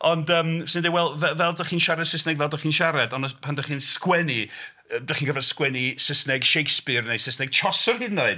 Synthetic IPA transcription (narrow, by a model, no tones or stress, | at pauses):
ɔndəːmsɪndewɛlˠvɛvɛlˠdaχiːnʃaɾɛd̥sɪsnɛɡvɛlˠdaχiːnʃaɾɛdɔnəpʰandaχiːnskwɛni | ədaχiːnɡəvɛrskwɛnisɪsnɛɡʃejkspɨrnejsɪsnɛɡ̥̚t͡ʃʰɔsɔrhɪdnoɨd̥